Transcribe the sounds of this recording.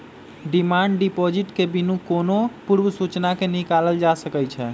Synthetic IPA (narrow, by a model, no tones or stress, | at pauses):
ɖimaɳɖɖipod͡ʒiʈkebinũkonopuɾbəsut͡ʃnakenikaləld͡ʒasəkɛjt͡ʃʰɛ